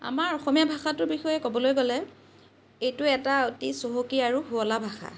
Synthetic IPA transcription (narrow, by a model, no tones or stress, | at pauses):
a̰maɹɔxɔmijabʱaxatʊɹbixɔjɛkɔbɔlojɡɔlɛ | ejtʊɛtaotisoɦokiaɹuhuɔlabʱaxa̰